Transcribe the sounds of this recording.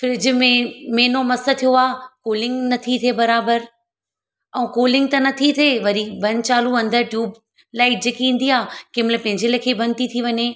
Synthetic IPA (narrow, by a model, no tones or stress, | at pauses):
fɾɪd͡ʑmẽmeːnomɐsə̆t̪ʰijoaːkoːlɪ̃ŋɡnɐt̪ʰit̪ʰebɐɾaːbəɾ | ɛ̃uːkoːlɪ̃ŋɡ̚t̪ɐnɐt̪ʰit̪ʰeːʋɐɾibɐnt͡ɕaːluɐ̃nd̪əɾʈjuːb̚ | laːɪʈ̚d͡ʑeːkiĩːn̆d̪iaːkɪ̃mɪləpɐ̃ɦɪ̃ɲd͡ʑelɐkʰebʱɐnt̪it̪ʰiʋɐɲe